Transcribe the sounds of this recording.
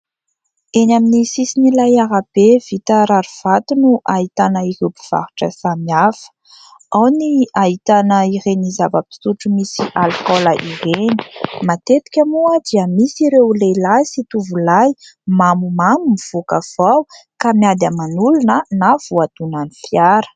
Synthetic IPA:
enaminisisinilajaɾab̥evit̪əɾaɾuv̥at̪unuʔaɦit̪anəiɾewpi̥v̥a̰ɾu̥ʈ͡ʂəsamiafə̥ | awniait̪anəiɾenizavəpi̥suʈ͡ʂumisiʔalkɔləʔireni̥mat̪et̪i̥kʲamuəd̪iəmisiɾewlelasit̪uvulajmamumamumiv̥okəv̥awkamjad̪amanulunənav̥uad̪unanifjaɾə̥

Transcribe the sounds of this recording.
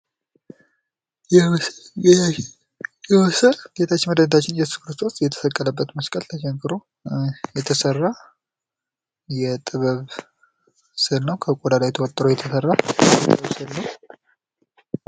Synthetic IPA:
jɛ | jɛwɔsəlɡ̥et̪ʰat͡ʃːɪnməd̪əd̪t̪ʰat͡ʃːɪnjɛsu̥kʰɾɨst̪ʰo̞sʼjɛt̪ʰə̥fəkʼːələbːət̪məskʼəlt̪ʰəʃɛŋkʰɨɾo̞ | jɛt̪ʰəsərːa | jɛt̪ʼɨβəβ | sɨlnəwkʰəkʼod̪alajɛt̪ʰəwot̪ʼːɾojɛt̪ʰəsərːajɛt̪ʼɨβəβsɨlnəw

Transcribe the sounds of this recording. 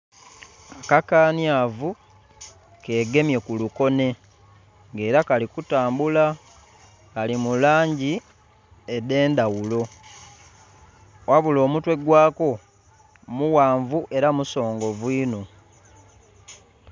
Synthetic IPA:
akakaːnjavu | ke̞ːɡe̞mje̞kuluko̞ne̞ | ŋɡe̞ːɾakalikutaːmbula | kalimulaːɲɟi | ede̞ːndawulo̞ | waβulo̞ːmutwe̞ɡwaːko̞ | muwaːɱvuʔe̞ɾamuso̞ːŋɡo̞vwiːno

